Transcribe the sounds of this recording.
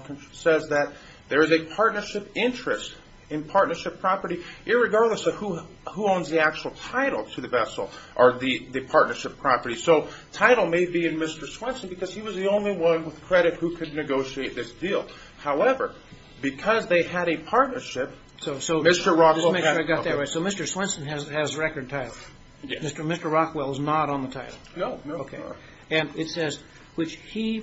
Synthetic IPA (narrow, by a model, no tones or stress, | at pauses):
knsɛzðɨt̪̚ | ðə˞ɨzɨpʰɑɹtⁿnə˞ʃɪpɪ̃nt͡ʃɹ̥ɨst | ɨ̃npʰɑɹtⁿnə˞ʃɨpʰɹ̥ɑpə˞ɾiʔɨt̚ɹɨɡɑɹdˡləsʌv̥huhuõʊ̃nzðiæk̚t͡ʃul̩ˠtʰaɪɾl̩ˠtʰɨðɨvɛsl̩ˠʔə˞ðɨðɨpʰɑɹtⁿnə˞ʃɨpʰɹ̥ɑpə˞ɾisoʊtʰaɪɾl̩ˠmeɪbiɨ̃nmɪstə˞swɪ̃nsn̩bɨkʰʌz̥iwʌzðiõʊ̃nliwʌ̃nwəð̥kʰɹ̥ɛɾɨt̚hukʰɨdⁿnɨɡoʊʃieɪt̪̚ðɪsd̥ilˠ | haʊɛvə̰˞ | b̥ɨkʰʌzðeɪɨɾɨpʰɑɹtⁿnə˞ʃɪp̚ | soʊsoʊmɪstə˞ɹɑkðswmɛ̃ə˞aɪɡɑt̪̚ðəɹaɪtsoʊmɪstə˞swɪ̃nsn̩ɨzɨzɹɛkə˞d̚tʰaɪɾl̩ˠ | jmɪstə˞mɪstə˞ɹɑkwɛlˠznəɾn̩ðətʰaɪɾl̩ˠnoʊnoʊkʰeɪ | ɨ̃nɨtsɛz | wɨt͡ʃhi